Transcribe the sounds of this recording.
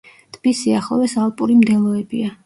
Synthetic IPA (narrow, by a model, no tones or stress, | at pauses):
t̪ʰʼbisiaχlˠɔ̰vɛsalˠpʼuɾimd̪ɛlˠɔɛbia